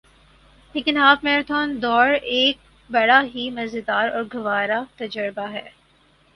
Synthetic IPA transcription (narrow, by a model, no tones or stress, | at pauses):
leːkɪnaːpmeːɾt̪ʰɔːnd̪ɔːɾeːk̚ | bɐɽaɦimɐzɪd̪aːɾɔːɾɡɐʋaːɾat̪ɐd͡ʒəɾbaɦɛː